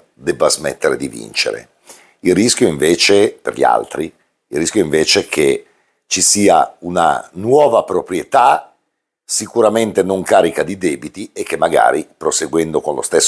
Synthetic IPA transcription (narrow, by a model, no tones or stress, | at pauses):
d̪ɛbːazmḛt̪ːeɾed̪ivḭnt͡ʃḛɾḛ | ilriskʲjoiɱveːt͡ʃepḛrʎḭa̰lt̪ɾi | ilrːiskjoiɱveːt͡ʃekʰe | t͡ʃisiːa̰una̰nwɔːvapɾopɾjet̪a | sikuɾament̪enoŋkaːɾikad̪id̪ɛːbit̪iekːemːaɡa̰ːɾipɾoseɡwɛnd̪okonlo̰st̪esː